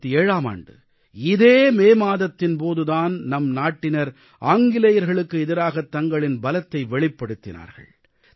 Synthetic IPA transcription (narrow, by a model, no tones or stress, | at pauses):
t̪ːieːɻaːma̰ːɳɖɯ | ɪðeːmeːmaːðɐt̪ːɪnpoːðɯðaːnnɐmnaːʈːɪnɐɾ | aːŋɡɪlɐjɐɾɣɐɭɯkːɯɪðɪɾaːɣɐt̪ːɐŋɡɐɭɪnbɐlɐt̪ːɐɪʋɛɭɪpːɐɽɯt̪ːɪna̰ːɾɣɐ̰ɭ